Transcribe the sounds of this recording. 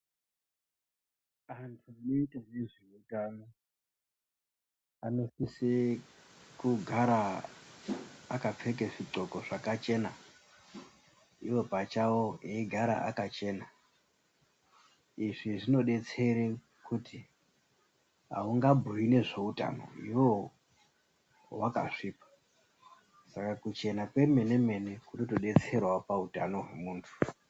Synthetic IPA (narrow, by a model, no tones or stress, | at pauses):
antʰuano̞itaneʐeutano | ano̞sise | kuɡʱaɾa | kap͡fekeʐiǀo̞ko̞ʐakat͡ʃe̞na | iwo̞pat͡ʃawoeiɡʱaɾa̰ʔa̰kat͡ʃe̞na | iʐiʐino̞ɗe̞t͡se̞re | kuti | ɦa̰uŋɡabʱuwine̞ʐe̞uta̰no̰iwo | waka̰ʂiːpḁ | sakakut͡ʃe̞nakwe̞me̞ne̞me̞ne̞kunotoɗet͡se̞rwapautano̞ɦwe̞̰muːntʰu̥